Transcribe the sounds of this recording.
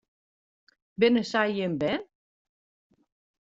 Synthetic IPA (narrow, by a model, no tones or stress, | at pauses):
bɪnəsɛjjɪnbɛn